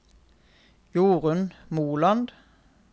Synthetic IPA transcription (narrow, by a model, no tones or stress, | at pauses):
juːʁənmuːlɑnd̪